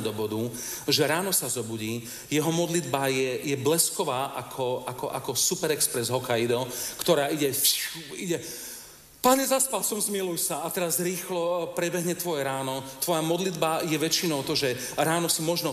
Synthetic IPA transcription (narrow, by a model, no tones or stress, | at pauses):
d̪ɔbɔd̪u | ʒɛɾaːnɔsazɔbuɟiː | jɛɦɔmɔd̪lid̪bajɛjɛblɛskɔʋaːʔakʰɔʔakɔʔa̰kɔsupɛɾɛkspɾɛzɦɔkaid̪ɔkt̪ɔɾaːiɟɛfiɟɛ | paɲɛzaspalsɔmzmilujsaat̪ɛɾazɾiːxlɔpɾɛbɛɦɲɛt̪ʋɔjɛɾaːnɔt̪ʋɔjamɔd̪lid̪bajɛʋɛt͡ʃinɔʊt̪ɔʒɛɾaːnɔsimɔʒnɔ